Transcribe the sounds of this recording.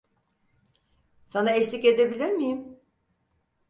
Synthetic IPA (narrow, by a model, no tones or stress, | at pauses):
sanaeʃlʲice̞d̪ebilʲiɾmijim